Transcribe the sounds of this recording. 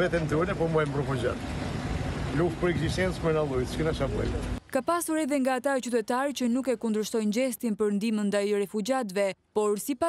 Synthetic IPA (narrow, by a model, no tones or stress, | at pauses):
vɛt̪ɛmd̪unɛpɔmɔjmɾɛfud͡ʒa̰t̪ | luf̚pəɾɛɡziʃt̪ɛnt͡smɛnalˠujt̪t͡ʃkənaʃamɛ̰j̰kapasuɾɛðɛŋɡaːt̪aɛt͡ɕyt̪̬ɛt̪aɾt͡ɕənukɛkund̪ɾəʃt̪ɔjnd͡ʑɛst̪inpəɾnd̪imənd̪ajrɛfud͡ʑat̪vɛpɔɾsipa